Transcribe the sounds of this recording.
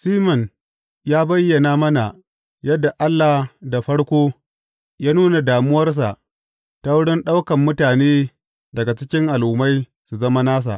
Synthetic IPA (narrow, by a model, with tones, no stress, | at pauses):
siː˦mɔ˨n | jaː˦bɐ˦jːɐ˨naː˦mɐ˦na˨ | jɐ˦dːa˨ʔa˦lːa˨hda˨ɸɐ˦ɽkʷoː˦ | jaː˦nuː˦na˨daː˨mʊ˦wɐ˦rs̬a̰˨ʔ | ta˦wʊ˦ɽɪ˦nɗa˦wkɐ˨mːʊ˦taː˨neː˦ | dɐ˨ɡa˨t͡ʃɪ˦kʲɪ˦ŋʔa˨lʔʊ˨ma˦j | su˨zɐ˦ma˦naː˦s̬a̰˨ʔ